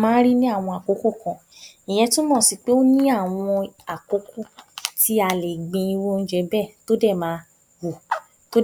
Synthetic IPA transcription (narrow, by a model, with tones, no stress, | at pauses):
mãː˦ɾi˦nĩ˦a˦˨w̃ɔ̃˧a˨ko˨˦ko˦˨kã˧ | i˨j̃ɛ̃˧tũ˦mɔ̃ː˦˨si˧k͡pe˦o˦nĩ˦a˦˨w̃ɔ̃˧a˨ko˨˦kʰo˦˨ti˧˦a˧˨le˨ɡ͡bẽ˧i˧wo˧n̩˦d͡ʒɛ˧bɛ˦˨to˦dɛ˦˨mãː˦ | wu˨ | to˦